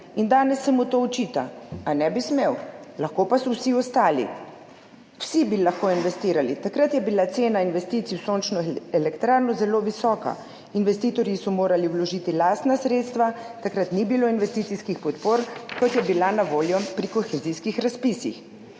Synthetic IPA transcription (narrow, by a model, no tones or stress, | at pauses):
ind̪aːnɛsːɛmut̪oːɔt͡ʃiːt̪aanɛbismewlaxkopasɔwsiɔst̪aːlḭ | w̥sibilaxkoinʋɛst̪iːɾalit̪akɾat̪jɛbilat̪seːnainʋɛst̪iːt̪siusoːnt͡ʃnɔelɛkt̪ɾaːɾnɔzɛloːʋisɔːka̰ | inʋɛst̪iːt̪ɔɾjisɔmoːɾaliwlɔʒiːt̪ilaːst̪nasɾeːt̪st̪ʋat̪akɾat̪nibiloːinʋɛst̪iːt̪iskixpɔt̪poːɾkɔt̪jɛbilanaʋoːljɔpɾikɔxɛziskixɾaspisḭx